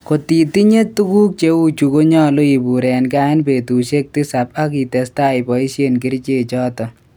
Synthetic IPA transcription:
ko˨t̪i˨t̪i˦ɲe˦t̪ːu˦ku˦k̚t͡ʃe˦wu˦t͡ʃu˨ko˦ɲaː˦lo˦i˨bu˨ɾɛː˨nkaː˦npe˨t̪uː˨ʃe˦k̚t̪i˦sa˨p̚a˦ki˨t̪est̪a˦jpɔ˨i˦sje˦nki˦ɾt͡ʃe˨t͡ʃɔː˦t̪ɔ

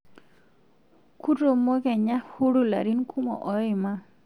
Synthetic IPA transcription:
ku˦to˨mo˦kɛ˨ɲa˦hu˦ɾu˦la̰˨ɾi˦nkʰu˦mɔ̰˨ʔɔ˨˦jɔ˦i˨ma˦

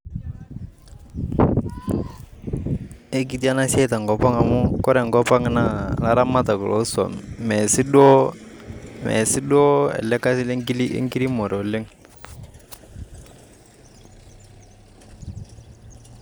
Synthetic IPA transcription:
e˦ki˨ti˦a˦na˦se˦˨ta˨ŋɡɔ˨pa˦ŋa˨mʊ˦kɔ˦ɾɛ˨ŋɡɔ˦pa˦ŋ˦na˦la˦ɾa˦ma˦ta˨kɔ˨lɔ̰˦sɔ̰˨mmɛ˨sɪ˦ɗɔ˦ | mɛ̰˨sɪ˦ɗɔ˦ɛ̰˨lɛ˦ka˦sɪ˦lŋɡi˦li˦ḛ˦ŋki˦li˦mɔ˨ɾo˨lɪ˦ŋ

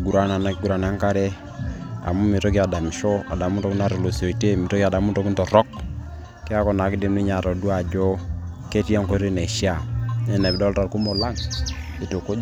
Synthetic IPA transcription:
ɡu˨ɾa˦na˨na˨˦kɪ˦ɡu˦ɾa˨n˨a˦ŋka˦ɾɛ˦ | a̰˨mu˦mi˨to˦kja˨da˨mɪ˨ʃo˦a̰˨da˨mu˦tɔ˦kna˦ɾo˨lo˨so˨i˨te˦mi˨to˦ka˨da˨mu˦to˨˦ki˦ntɔ˨ɾɔ˦k | kɪ˦a˦kɔ˨na˨kɪ˦de˨mni˦ɲa˨ɾɔ˨du˦a˨d͡ʒo˦ | ke˦ti˦a˦ŋko˦ɾi˦ne˨ʃja˨nɛ˦nɛ˨bdɔ˦lta˨ɾku˦mo˨la˦ŋ | i˨to˨ko˦

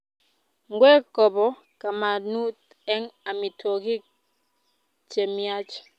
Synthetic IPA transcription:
ŋ˦ɡwɛ˦kɔ˨bɔ˨ | ka˨ma˨nu˦t̚ | ɛ˦ŋa˨mi˨twɔ˨ki˦ | t͡ʃe˨mja˦t͡ʃ

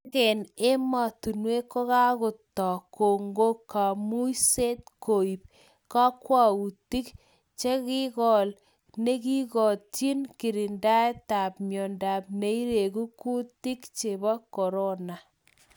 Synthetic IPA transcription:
kɛ˨ne˦ma˨tu˨nwe˦kːo˦ka˦kʊ˨tɔ˨ko˨ŋɡo˦kːa˨mu˦jse˦t̚ko˨i˨p̚ | ka˦kwa˦u˨ti˦k | t͡ʃe˦kɪ˦kɔ˨l | ne˦ki˦kɔ˨t͡ʃi˦nki˨ɾi˨nda˦e˦ta˨pmjɔ˨nda˨p̚ne˦i˦ɾe˨ku˦ku˦ti˦kt͡ʃe˨bɔ˦kɔ˨ɾo˦na˨

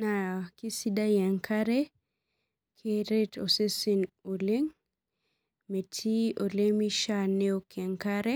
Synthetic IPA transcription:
na˨ki˦si˦da˦jɛ˨ŋkʰaɾe | kʰeɾe˦tʰo̰˨se˦si˨no˨le˦ŋ | me˨tʰi˦o˨lemi˦ʃaneo˦kɛ˨ŋkaɾe˦

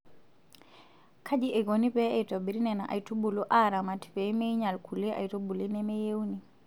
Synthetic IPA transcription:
kʰa˦d͡ʒi˦ʔe˨ɡo˨ni˦pɛ˦a˨jtɔ˨bi˨ɾi˦nɛ˨na˨ʔa̰˨i˨tu˦bu˨lu˦ʔa˦ɾa˨ma˨ti̥˨pɛ˨˦me˦ɲa˨lkʰu˨le˦ʔa̰˨i˨tɔ˦ɓu˨li˦nɛ˦mɛ˦je˦uni˨

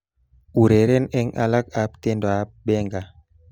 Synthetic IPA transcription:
u˨ɾe˨ɾe˦nɛ˦ŋa̰˦la˦ka˨˦pte˦ndo˨a˨p̚bɛ˦ŋɡa˨

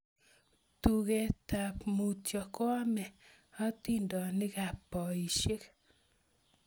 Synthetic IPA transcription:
t̪u˨ɣe˨t̪a˨pmu˨tjɔ˨kwa˦mɛ˨ | ɔ˦t̪i˦ndɔ˨nɪ˦ɣa˨pɔ˨i˨ʃe˦k

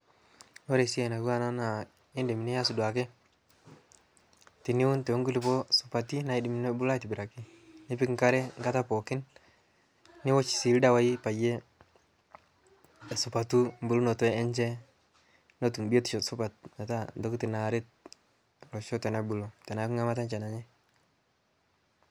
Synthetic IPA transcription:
no˦ɾe˨si˦e˨na˨ku˦wa˦na˦na˨ | i˦ndi˨mi˨ne˦ja˦su˨dwa˨kɛ˦ | ti˨ni˦wu˦ntɛ˨˦ŋɡu˦li˨pɔ˦su̥˨pa˨ti˦na˨i˦di˨mi˨ne˦bu˦la˦ti˨bi˨ɾa˨ki˦ | ni˦pi˦kŋka˦ɾɛ˦ŋɡa˦ta˦pɔ˨kɪ˦n | ni˦wɔ˦t͡ʃi̥˨si˨lda˦wa˦i˦pa˨je˦ | ɛ˨su˨pa˨tu˦mbu˨lu˦nɔ˨tɔ˦ɛ˦ɲt͡ʃɛ˦ | no˦tu˨bi˦e˦tu̥˨t͡ʃɔ˨su˦pa˨t̚na˨ta˦ndɔ˦kti˨na˨ɾɪ˦t̚ | lɔ˨ʃɔ˦tɛ˨na˦bu˨lo˨tɛ˨na˨ku˦ŋa˦ma˦ta˦nt͡ʃa˨na˨ɲɛ˦

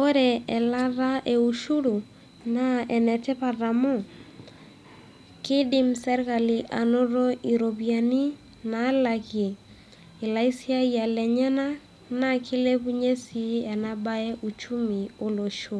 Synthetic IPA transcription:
o˦ɾɛɛ˨la˦ra˦ʔe˨u˨ʃu˦ɾu˨ | naɛ˨nɛ˨tɛ˦pa˨ra˨mo˦ | kɪ˦dɪ˦msɛ˦ɾka˨liʔa˨no˦ɾo˦i˨ɾo˨βja˨ni˦ | na˨˦lakje˨ | i˨la˦i˦si˦a˦ja˨lɛ˨ɲɛ˦na˦ | na˨kʰɪ˦le˦βu˦ɲe˦si˦ɛ˨na˦ba˦ɛ˦ʔu˨t͡ʃu˦mi˨o˦lo˨ʃo˦

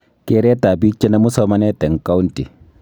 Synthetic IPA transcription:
ke˦ɾe˦ta˨bi˦t͡ʃːe˦na˦mu˦sɔ˨˦ma˦ne˦tɛ˨ŋka˦wu˦nti˨

